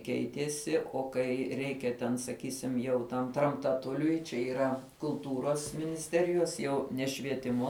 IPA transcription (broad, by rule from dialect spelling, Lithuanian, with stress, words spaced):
ˈkʲɛɪtʲiɛsʲɪ oː ˈkɐɪ ˈrʲɛɪkʲɛ tʲɛn sɐˈkʲiːsʲɪm jɛʊ tɐm trɐmtɐˈtʊlʲʊɪ t͡ʃʲɛ iːˈrɐ kʊlˠˈtuːroːs ˈmʲɪnʲɪsʲtʲɛrʲɪjoːs ˈjɛʊ nʲɛ ʃʲʋʲiɛˈtʲɪmoː